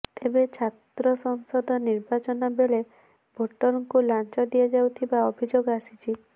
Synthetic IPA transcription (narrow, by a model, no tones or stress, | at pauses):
t̪ebet͡ʃʰat̪ɾɔsɔŋsɔd̪ʱɔniɾbat͡ʃɔnɔbeɭe | bʱoʈːɔɾɔŋkulant͡ʃɔd̪iad͡ʒawt̪ʰibaɔbʱid͡ʒoɡɔasit͡ʃʰi